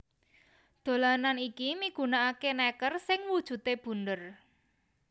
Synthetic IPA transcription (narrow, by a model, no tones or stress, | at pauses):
d̪̥o̤lananikimiɡ̥ṳnaakenɛkərsɪŋwud̥ʒ̥ṳt̪eb̥ṳnd̪ər